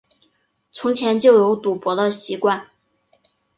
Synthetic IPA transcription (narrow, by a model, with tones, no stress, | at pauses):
t͡sʰʊ˧˥ŋt͡ɕʰjɛ˧˥nt͡ɕjo˥˩ʊjo˧˥ʊt̪u˨˩pwɔ˧˥d̪ə˧ɕi˧˥kwa˥˩n